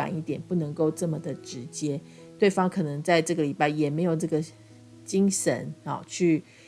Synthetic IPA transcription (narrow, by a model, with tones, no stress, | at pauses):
a̰˨˩ni˥˩t̪jɛ˨˩npu˥˩nɤ˧˥ŋko˥˧ʊʈ͡ʂɤ˥˩mə˩d̪ə˩ʈ͡ʂɻ̩˧˦t͡ɕjɛ˥ | t̪we˥˩ɪfɑ˥ŋkʰɤ˨˩nɤ˧˥ŋt͡sa˥˧ɪʈ͡ʂɤ˥˩ɡə˩li˨˩pa˥˩ɪjɛ˨˩me˧˥ɪjo˨˩ʊʈ͡ʂɤ˥˩ɡə˩ | t͡ɕi˥ŋʂə̰˧˥nɔ̰˨˩t͡ɕʰy˥˩